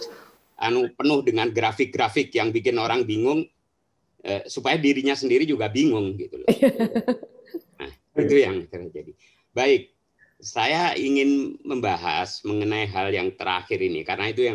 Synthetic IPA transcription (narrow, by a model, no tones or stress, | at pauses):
s | ʔa̰nupənʊhdəŋanɡɾafɪk̚ɡɾafɪkjaŋbikɪnoɾaŋbiŋʊŋ | ʔəsupajadiɾiɲasəndiɾid͡ʒuɡabiŋʊŋɡit̪ul̰ | na̰h | it̪ujaŋt̪ərd͡ʒadi | baɪk̚ | sajaiŋɪnməmbaɦa̰sməŋənaiɦaljaŋt̪əɾa̰xɪɾinḭkaɾənait̪ujaŋ